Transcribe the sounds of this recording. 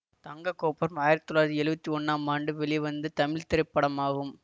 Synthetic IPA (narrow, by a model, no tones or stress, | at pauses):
t̪ɐŋɡɐkːoːpːɐɾɐmaːjɪɾt̪ɪ̥t̪ːɔlːaːɾt̪ːiɛɭɯbɐt̪ːiɔnːaːmaːɳɖɯʋɛɭɪʋɐnd̪ɯt̪ɐmɪɭt̪ɪɾɐɪpːɐɽɐmaːɣɯm